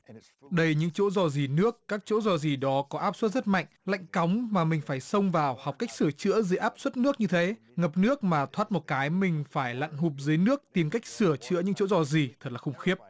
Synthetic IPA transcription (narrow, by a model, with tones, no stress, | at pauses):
ɗə˧jɲɨ̰˧˥ŋt͡ɕo̰˧˥zɔ˧˩zi˨˩nɨ˦˥əkːaː˦˥k̚t͡ɕo̰˧˥zɔ˨˩zi˨˩ɗɔ˨˦kɔ˨˦ʔaː˦˥p̚swə˦˥t̚zə˦˥t̚ma̰˧˨jŋ̟la̰˧˨jŋ̟ka˨˦wŋ͡mmaː˨˩mï˨˩ŋ̟faː˧˩jsə˧wŋ͡mvaː˨˩wha˨˩k͡p̚ka˦˥jk̚sɨ˧˩ət͡ɕɨ̰˧˥əzɨː˨˧˨ʔaː˦˥p̚swə˦˥t̚nɨ˦˥ək̚ɲɨ˧t̪ʰe˨˦ | ŋə˨˩p̚nɨ˦˥ək̚maː˨˩t̪ʰwaː˦˥t̚mo˨˩t̚kaː˨˦jmï˨˩ŋ̟faː˧˩jla̰˧˨nɦu˨˩p̚zɨː˨˦jnɨ˦˥ək̚t̪i˨˩mka˦˥jk̟̚sɨ˧˩ət͡ɕɨ̰˧˥əɲɨ̰˧˥ŋt͡ɕo̰˧˥zɔ˧˩zi˨˩t̪ʰə˨˩t̚laː˨˩xʊ˨˧˩ŋ͡mxi˦˥əp̚